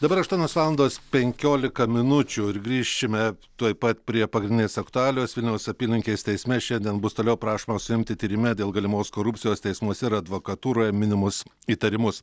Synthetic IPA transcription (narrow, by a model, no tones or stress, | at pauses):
d̪ɐbɐɾɐʃt̪uɔnʲoːsʋɑːlˠɐnd̪oːspʲɛŋʲkʲoːlʲɪkɐmʲɪnʊt͡ʃʲʊɪɾɡɾʲiːʃʲɪmʲɛt̪uɔɪpɐt̪pʲɾʲiɛpɐɡɾʲɪnd̪ʲɪnʲeːsɐkt̪ʊɑːlʲoːsʋʲɪlʲnʲɛʊsɐpʲiːlʲɪŋʲkʲeːst̪ʲɛɪsʲmʲɛʃʲɛnʲd̪ʲiɛnbʊst̪oːlʲɛʊpɾɑːʃoːmɐsʊɪmʲt̪ʲɪt̪ʲiːɾʲɪmʲɛd̪ʲeːlˠɡɐlʲɪmoːskoːɾʊpʲt̪ʲɪjoːst̪ʲɛɪsmuɔsʲɛɪɾɐd̪ʋoːkɐt̪uːɾoːjɛmʲɪnʲɪmʊsiːt̪ɐɾʲɪmʊs